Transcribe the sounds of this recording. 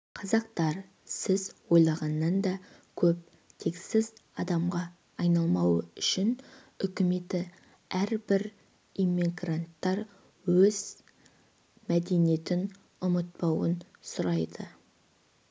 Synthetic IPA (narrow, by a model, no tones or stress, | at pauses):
qʰɑzɑq̚t̪ɑɾ | sɪzwo̞jlˠɑʁɑnːɑnd̪ɑkʲʰɵp̚ | t̪ʰe̞ksɪzɑd̪ɑmʁɑː | jnɑlˠmɑwəʏʃɪn | ʏkʲɪme̞t̪ɪ | æɾbɪɾ | emiɡrant̪ːɑɾ | wɵz̥ | mæd̪e̞nije̞t̪ɪn | ʊmət̪̚pɑwənsʊɾɑjd̪ə